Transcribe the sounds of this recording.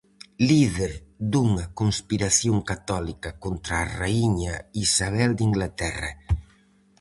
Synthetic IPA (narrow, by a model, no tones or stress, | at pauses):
liðeɾd̪uŋɐkonspiɾaθjoŋkat̪ɔlikɐkont̪ɾaːraiɲaisaβ̞ɛld̪iŋɡlat̪ɛrɐ̰